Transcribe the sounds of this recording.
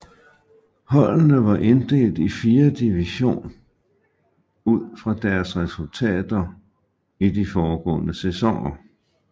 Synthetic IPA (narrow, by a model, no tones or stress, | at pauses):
hɒ̽l̰nəʋɑ̈ʔe̝nd̥e̝̰ːld̥ifiːɐd̥iʋiɕo̝̰ːn | uð̰ˠfʁɑ̈d̥æɐsʁɛsult͡sʰɛ̰ːd̥ɐ | idifɒːɡ̥ɔ̰̽ːnəsesɒŋɐ